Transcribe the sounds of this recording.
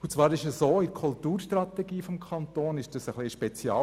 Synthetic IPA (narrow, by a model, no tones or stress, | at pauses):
ʊt͡sʋɑːɾɪʃəsoːɪdkʰʊlt̪uːɾʃtɾɑt̪ɛɡiːfɔmkʰɑnt̪oːnɪʃd̥ɑsəχliʃpɛt͡sjɑ̰